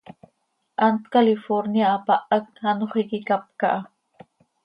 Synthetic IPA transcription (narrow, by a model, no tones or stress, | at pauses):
ʔant̪kalɪfoɾnjaːpaʔak̚hanoχejkɪkap̚ka̰ʔ